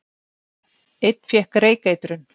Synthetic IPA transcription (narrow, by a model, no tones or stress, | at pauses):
ɪt̪̚n̥fjɛhkaɾeːjkaːjt̪ɾʏn